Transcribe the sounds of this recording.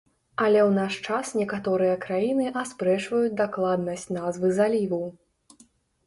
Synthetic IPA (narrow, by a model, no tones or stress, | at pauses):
ɐlʲɛwnaʂt͡ʂasnʲɛkat̪ɔɾɨjɐkɾajinɨʔaspɾɛʂvɐjut͡sʲd̪aklˠad̪nɐsʲt͡sʲnazvɨzalʲivɐw